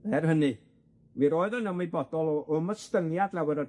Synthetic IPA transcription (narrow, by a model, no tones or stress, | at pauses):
ɛrhənɨ | miɾoːɨðɔnəmibɔdɔlˠɔʔɔməstəŋjadlawəɾɔ